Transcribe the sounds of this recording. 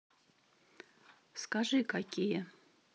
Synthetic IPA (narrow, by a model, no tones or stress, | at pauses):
skaʐɨkakʲijə